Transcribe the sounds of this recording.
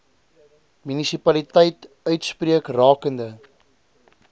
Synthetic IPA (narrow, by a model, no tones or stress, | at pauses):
mynisipɐlitɛjt | œɥtspriəkrɑːkəndə